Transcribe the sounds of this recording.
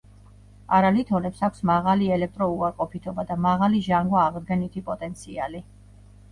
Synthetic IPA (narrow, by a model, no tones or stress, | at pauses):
aɾalit̪ʰɔnɛpsakʷʰsmaʁaliɛlɛk̚ʰt̪ʼɾɔuaɾqʼɔpʰit̪ʰɔbad̪amaʁaliʒaŋɡwaːʁd̪ɡɛnit̪ʰipʼɔt̪ʼɛnt̪sʰia̰li